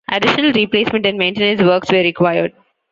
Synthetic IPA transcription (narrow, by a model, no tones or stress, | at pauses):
ʔæɖɪʃənəlɾipleːsmɛ̃ɳʈæ̃ɳɖmẽːɳʈẽːnə̃nsʋəːɾksʋeɾɪkʋaɪəɾɖ̚